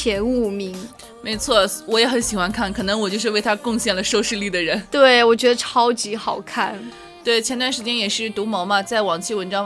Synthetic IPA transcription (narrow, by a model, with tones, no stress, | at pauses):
jɛ˧˥nu˥˩mi˧˥ŋ | me˧˥ɪt͡sʰwɔ˥˩wɔ˧˥jɛ˧˥xə˧˥nɕi˨˩xwa˧˥nkʰa˥˩nkʰɤ˨˩nɤ˧˥ŋwɔ˨˩t͡ɕjo˥˧ʊʂɻ̩˧we˥˩ɪt̪ʰa˥kʊ˥˧ŋɕjɛ˥˩nlə˩ʂo˥˧ʊʂɻ̩˥˧li˥˩d̪ə˩ɻə˧˥nt̪we˥˩ɪwɔ˨˩t͡ɕɥɛ˧˥d̪ə˧ʈ͡ʂʰɑ˥ʊt͡ɕi˧˥xɑ˨˩ʊkʰa̰˥˩n | t̪we˥˩ɪt͡ɕʰjɛ˧˥nt̪wa˥˩nʂɻ̩˧˥t͡ɕjɛ˥njɛ˨˩ʂɻ̩˥˩t̪u˧˥mɑ˧˥ʊma˧t͡sa˥˩ɪwɑ˨˩ŋt͡ɕʰi˥˩wə˧˥nʈ͡ʂɑ˥ŋ